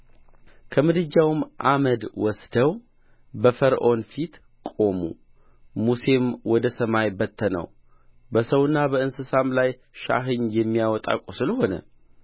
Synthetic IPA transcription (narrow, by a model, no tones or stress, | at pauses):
kʰəmɨd̪ɨd͡ʒːawmʔaməd̪wɔsd̪̥əw | bəfəɾʔo̞nfit̪ | kʼo̞mṵ | muse̞mwɔd̪əsəmajbət̪ʰːənə̰w | bəsəwɨnːabəɨnsɨsamlaj | ʃa̰ɦɨɲjɛmːijawɔt̪ʼa̰kʼosɨləɦo̞nə̰